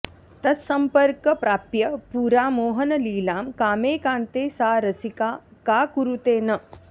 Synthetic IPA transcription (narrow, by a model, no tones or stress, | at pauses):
t̪ɐt̪sɐmpɐɾkɐpɾaːpjɐpuːɾaːmoːɦɐnɐliːlaːmkaːmeːkãːnt̪eːsaːɾɐsikaːkaːkuɾut̪eːnɐ